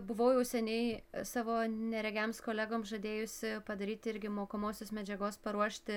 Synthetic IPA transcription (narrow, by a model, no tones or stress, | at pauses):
bʊʋɐʊjɛʊsʲɛnʲɛɪsɑːʋoːnʲɛɾʲɛɡʲæmskoːlʲæːɡoːmsʒɐd̪ʲeːjʊsʲɪpɐd̪ɐɾʲiːt̪ʲɪɾʲɡʲɪmoːkomoːsʲoːsmʲɛd͡ʒʲɛɡoːspɐɾuɔʃʲt̪ʲɪ